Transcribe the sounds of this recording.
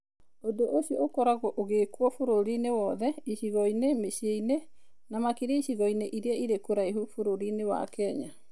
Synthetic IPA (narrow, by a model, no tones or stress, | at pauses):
odoʔoɕiɔokɔɾaɣɔʔoɣekwɔfoɾoɾinewɔðɛiʃiɣɔinemeʃieine | namakiɾaiɕiɣɔineʔiɾeɛiɾekoɾaiɦufoɾoɾinewa̰kɛɲa